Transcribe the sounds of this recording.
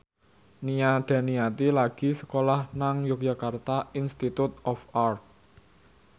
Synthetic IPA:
niaɖ̪̥ä̤nijat̪ilaɡ̥i̤sə̥kolahnaŋjʊk̚jakart̪ainst̪it̪ut̪̚ɔfart̪̚

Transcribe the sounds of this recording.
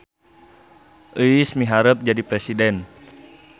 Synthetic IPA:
ʔəismiɦaɾəp̚d͡ʒadipɾɛsidɛn

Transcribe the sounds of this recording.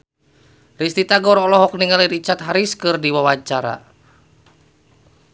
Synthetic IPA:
rist̪it̪aɡɔɾɔlɔɦɔkniŋaliɾit͡ʃat̪ɦaɾiskɨrdiwawat͡ʃaɾa̰

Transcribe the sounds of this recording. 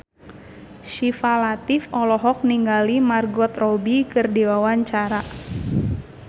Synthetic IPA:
ʃifalat̪ɪfɔlɔɦɔk̚niŋɡalimarɡɔt̪rɔbikɨrdiwawaɲt͡ʃaɾa

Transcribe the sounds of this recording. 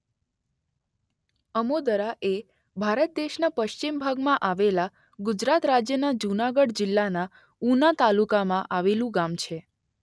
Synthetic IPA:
əmod̪əɾaʔe | bʱaɾət̪̚d̪eʃnapəʃt͡ʃimbʱaɡmãʔaʋela | ɡʊd͡ʒɾat̪ɾad͡ʒjənad͡ʒunaɡəɽd͡ʒɪlːana | unat̪alukamãʔaʋelũɡamt͡ʃʰe

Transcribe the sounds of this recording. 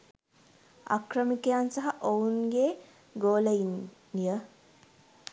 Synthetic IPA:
a̰krəmikejansaɦaʔounɡe | ɡoːləin | ijə

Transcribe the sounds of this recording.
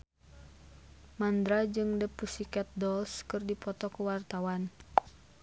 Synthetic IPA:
mand̪ɾad͡ʒɨŋdəpusikɛt̪̚dɔlskɨrdipɔt̪ɔkuwart̪awan

